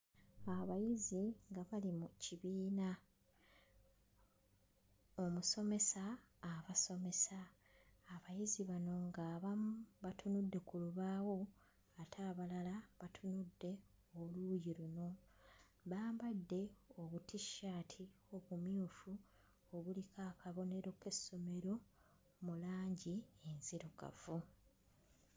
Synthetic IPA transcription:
aβajiziŋɡaβalimuciβiːna | o̞muso̞me̞saːβaso̞me̞saː | βajiziβano̞ŋɡaːβambatʰunudːe̞kuluβaːwo̞ | atʰaːβalalaβatʰunudːe̞olujiɾuno̞ | βaːmbadːe̞oβutiʃːatʰi | oβumjuːfu | oβulikʰaːkaβo̞ne̞ɾo̞kesːo̞me̞ɾo̞ | mulaːɲɟienziɾoka̰vu

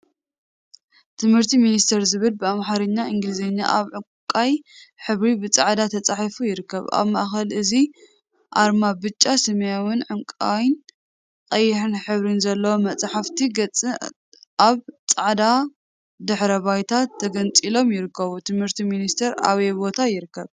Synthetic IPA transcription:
t̪ʰɨmhɨɾt̪ʰiminist̪ʰɐɾzɨβɨlbɨamħaɾɨɲːaʔɨŋɡɨlɨzeɲːa̰ʔaβʕɨ | kʼajħɨβɾibɨt͡sʼaʕd̪at̪ʰɐt͡sʼaħifujɪɾɨkːɐβʔa̰βmɐʔxɐlɨzi | ʔaɾmabɨt͡ʃʼːasɐmɐjawɨnʕɨmkʼajn | qʼɐjːɪħɨnħɨβɾɨnzɐlːɐwomɐt͡sʼħaft̪ʰiɡɐt͡sʼɨ | aβt͡sʼaʕd̪a | d̪ɨħɾɐβajt̪ʰat̪ʰːɐɡɐnt͡sʼilo̞mjɪɾɨkːɐβut̪ʰɨmhɨɾt̪ʰiminist̪ʰɐɾa̰βebo̞t̪ʰajɪɾɨkːɐβ

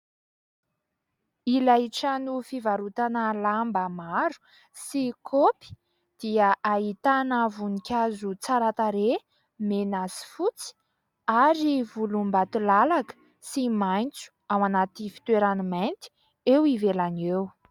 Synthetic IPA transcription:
ilaiʈ͡ʂanufivaɾut̪anəlambəmaɾu̥ | sikʰopi̥ | d̪̥iəʔait̪anavunikʲazut͡saɾat̪aɾe | menasi̥fut͡si̥ | aɾivulumbat̪ulalakə̥ | simajnt͡su̥awanat̪ifi̥t̪weɾaniment̪i̥ | ewivelanew

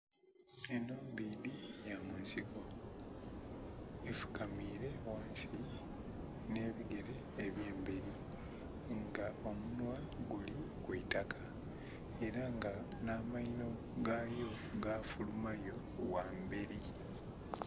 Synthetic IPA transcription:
enoːmbiːβijamunsiko | efu̥kamiːɾe̞wonsi | ne̞ːβiɡe̞ɾe̞ːβje̞ːmbeɾi | ŋɡao̞munwaɡulikwiːtakḁ | e̞ɾaŋɡanaːmaino̞ɡaːjo̞ɡaːfulumajo̞waːmbeɾi

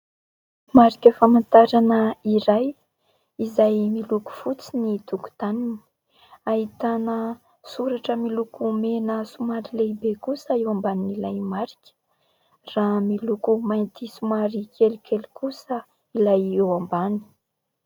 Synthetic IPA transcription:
maɾikʲəfamant̪aɾanəiɾaj | izajmiluku̥fut͡sinit̪uku̥t̪anini̥ | aɦit̪anə | suɾaʈ͡ʂəmilukumenəsumaɾileibekusəewambaninilajmaɾikʲə̥ | raːmilukumajnt̪isumaɾikʰelukʲelikusə | ilajewambani̥

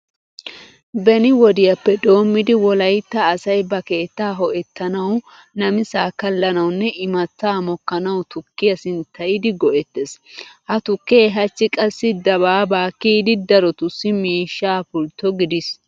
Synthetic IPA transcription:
bɛnɪwɔd̪ɪjɐpːɛd̪o̞ːmːɪd̪ɪwɔlɐjt̪ːɐːsɐjbɐke̞ːt̪ːaːɦɔʔɛt̪ːɐnɐw | nɐmɪsaːkɐlːɐnɐwnːɛʔɪmɐt̪ːaːmɔkːɐnɐwt̪ʊkːɪjɐsɪnt̪ɐjɪd̪ɪɡɔʔɛt̪ːeshɐt̪ʊkːeːɦɐt͡ʃːɪkʼɐsːɪd̪ɐbaːbaːkːiːd̪ɪd̪ɐɾɔt̪ʊsːɪmiːʃːaːpʊlt̪ːɔɡɪd̪ɪs

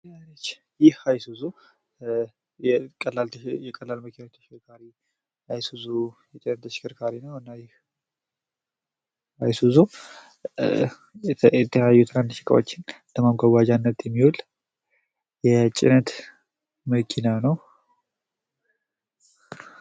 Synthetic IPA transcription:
ant͡ʃː | jɪhajsuzo | ɛkʼəlːalt̪ʰjɛkʼəlːalməkʰinat̪ʰə̥ʃkʰɨɾkʰaɾi | ajsuzojɛt͡ʃʼɪnət̪t̪ːʰəʃɪ̥kɨɾkʰaɾinəwɨnːajɪh | ajsuzo | ɛt̪ʰəjajːut̪ʰɨɾand̪ʰəʃɪ̥kʼə̰wo̰t͡ʃːɪnd̪əmamɡʷaɡad͡ʒanːət̪jɛmːiwul | jɛt͡ʃʼɪ̰nət̪ | məkʰinanəw

